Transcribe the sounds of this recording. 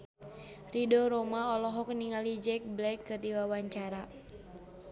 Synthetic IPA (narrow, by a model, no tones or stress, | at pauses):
ridɔɾɔmaɔlɔɦɔk̚niŋalid͡ʒɛk̚blɛkːərdiwawaɲt͡ʃaɾa